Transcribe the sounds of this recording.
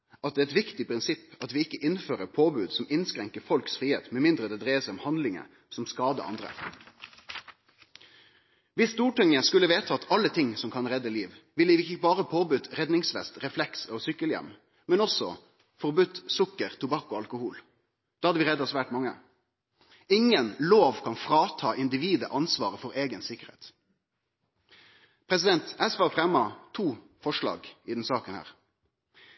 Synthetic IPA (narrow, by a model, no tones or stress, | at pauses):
ʔɑt̪̚d̪ɛːɛt̪ʋɪkt̪ɪpʰɾɪnsɪpːɑt̪ʋɪːɪkːəʔɪnføːʁəpʰoːbʉːd̪sɔmɪnskɾɛŋkəfɔlksfʁiːhḛːt̪mɛmɪnd̪ɾəd̪ɛːd̪ɾeːəsɛɪɔmhɑnd̪lɪŋə̰ | sɔmskɑːd̪ə̰ʔɑ̰nd̪ɾə̰ | ʋɪst̪uːʈɛŋəskʉlːəʋeːt̪ʰəɑt̪ʰɑlːət̪ʰɪŋsɔmkʰɑnʁɛd̪ːəliːʋʋɪlɪʋɪçəbɑːʁəpʰoːbʉt̪ɾɛd̪nɪŋsʋɛ̰st̪ʁɛflɛksɔsʏkːəljɛ̰mː | mɛnɔsɔ | fɔʁbʉt̪sʊkːəʁt̪ʰʊbɑkːɔɑlkʊhuːl | d̪̥ɑːhɑd̪əʋɪʁɛd̪ːɑsʋæːʈmɑŋːə̰ | ɪŋənloːʋkʰɑnfɾɑːt̪ʰɑːʔɪnd̪ɪʋiːd̪ə̰ʔɑnsʋɑ̰ːʁəfɔɾeːɡənsɪkːəɾhḛːt̪ | pʰɾɛsɪd̪ɛnt̪æsʋɑfʁɛmːɑt̪ʰuː | fɔʂɭɑ̰ːɡɪd̪ɛnsɑːkənhæ̰ːʁ